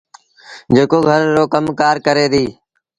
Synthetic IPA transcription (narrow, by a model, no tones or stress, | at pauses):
d͡ʒeːkoːɡʱəɾːoːkəmkaːɾkəɾeːd̪iː